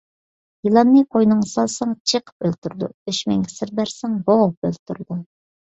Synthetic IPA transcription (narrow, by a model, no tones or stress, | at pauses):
jilˠɑnːɨqʰojnɨŋsɑlˠsɑŋt͡ʃʰeqʰə̥pølt̪yɾd̪ṵøʃmɛŋʲɪsɪɾbæɾsæŋbowp̚ø̰lt̪ʰyɾd̪u